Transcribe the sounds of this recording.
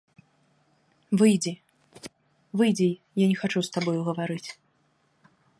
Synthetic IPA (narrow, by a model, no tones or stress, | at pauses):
vɨjd͡zʲi | vɨjd͡zʲi | janʲɛxat͡ʂust̪abɔjuɣɐvaɾɨt͡sʲ